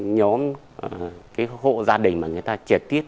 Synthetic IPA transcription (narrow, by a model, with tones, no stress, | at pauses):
ɲɔ˨˦m˨˩ | kaː˨˦jho̰˧˨zaː˧ɗï˨˩ŋ̟maː˨˩ŋɨ˨˩əjt̪aː˧t͡ɕi˨˩t̪i˦˥ət̚